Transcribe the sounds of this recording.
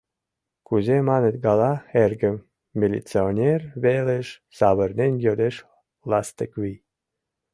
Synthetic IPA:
kuzemɑnet̪ɡɑlɑerɡə̆mːʲ | ilʲḭt͡seonʲerβeleʃ | sɑβə̆rnenʲjod̪eʃ | lɑst̪əkwi

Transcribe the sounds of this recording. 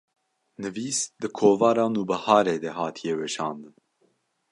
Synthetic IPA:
nɨviːsd̪ɨkʰoːvɑːɾɑːnuːbɐhɑːɾeːd̪ɛɦɑːt̪ʰijewɛʃɑːnd̪ɨn

